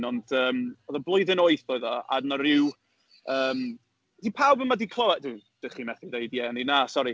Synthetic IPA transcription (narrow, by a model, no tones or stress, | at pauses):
nɔndəːmɔðəblˠoɨðɪnoɨθɔɨðɔa̰dnaɾɪw | əːm | d̥ipʰawbəmadikʰlˠɔwɛdɪːd̥ɪχimɛθidejdjɛninaːsɔɾi